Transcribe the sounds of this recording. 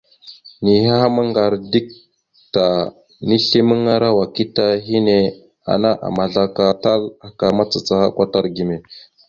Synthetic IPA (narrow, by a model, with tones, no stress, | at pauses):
ni˨ɦa˦ha˦ma˦ŋɡa˨ɾdi˦k̚ | ta˨ | ni˦ɬi˦mə˦ŋa˦ɾa˦wa˨ki˦ta˦ɦi˦ne˦ | a̰˨na˦ʔa̰˨ma˨ɮa˦ka˦ta˦la˨ka˨ma˦t͡sa˨t͡sa˦ha̰˦kʷa˦ta˦ɾɡi˨me˨